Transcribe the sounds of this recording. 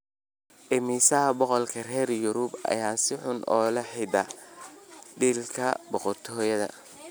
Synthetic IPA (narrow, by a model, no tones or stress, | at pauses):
ʔɛmiːsɐɐbɔqɔlkʰɐrɛːrjʊɾʊbɐ̰jaːnsɪħʊnʔɔːlɐħɪd̪ɐ | d̪iːlkʰɐbɔqɔrt̪ʰɔːjɐðɐ̰